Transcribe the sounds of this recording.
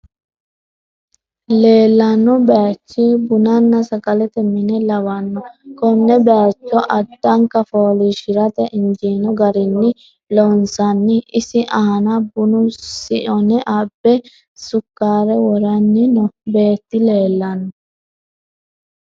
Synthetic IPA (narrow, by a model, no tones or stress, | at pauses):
leːlːɐnːɔbɛat͡ʃːibʊnɐnːɐsɐkʼɐlɛt̪ɛmːɪnɛlɐwɐnːɔkɔnːɛbɛat͡ʃːɔʔɐd̪ːɐŋkɐfoːliʃɪɾɐt̪ɛʔɪnd͡ʒiːnɔɡɐɾɪnːɪ | lɔnsɐnːɪʔɪsɪʔɐɐnɐbʊnʊsɪʔɔnɛʔɐbːɛ | sʊkːaːɾɛwɔɾɐnːɪnɔbeːt̪ːɪle̞ːlːɐnːɔ